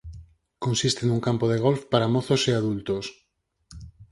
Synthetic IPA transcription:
kõnsist̪enuŋkampoð̞eɣ̞olfpaɾamoθoseaðult̪os

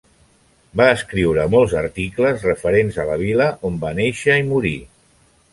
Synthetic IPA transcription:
baəskɾiwɾəmɔlˠzəɾt̪ikləzrəfəɾenzələβ̞iləʔombaneʃəimuɾi

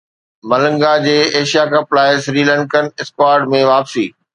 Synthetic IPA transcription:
mɐlə̃ŋɡad͡ʑeːeːʃijakɐplaːɪsɾiːlə̃ɳkənɪskwaːɾɖmẽʋaːpsiː

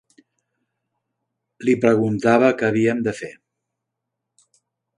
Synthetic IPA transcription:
lipɾəɣunt̪aβ̞əkəːβ̞iəmd̪əfe

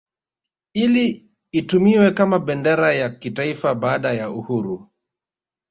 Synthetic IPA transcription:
iliː | tumiwɛkamaɓɛndɛɾajakitaifaɓaːɗajauhuɾu

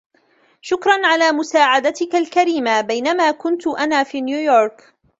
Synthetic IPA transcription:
ʃʊkɾˤɑnʕalaːmʊsaːʕad̪at̪ɪkalkaɾiːmabajnamaːkʊnt̪ʊʔanaːfiːnjuːjoːɾˤk

